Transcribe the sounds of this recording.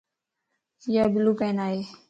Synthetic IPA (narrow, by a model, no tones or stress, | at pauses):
jaːbɪluːpɛ̃ːnaːeː